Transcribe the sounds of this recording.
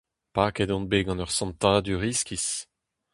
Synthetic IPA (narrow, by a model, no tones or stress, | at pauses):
pakɛd̪ɔ̃nbeɡɑ̃nœʁsɑ̃nt̪aːd̪yʁiskʲis